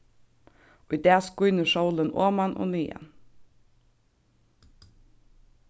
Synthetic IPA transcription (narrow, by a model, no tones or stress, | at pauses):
ʊjd̪ɛːskʊjnɪʂɔwlɪnɔ̰ːmanʔɔ̰niːa̰n